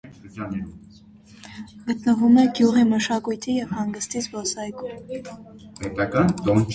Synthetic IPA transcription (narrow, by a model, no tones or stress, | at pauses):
n | ɡ̥ət̪nəvumɛɡjuʁiməʃɑkujt̪ʰijɛvhɑŋɡəst̪izbɔsɑjkum | pɛt̪ɑkɑnd̪ɔnt͡ʃ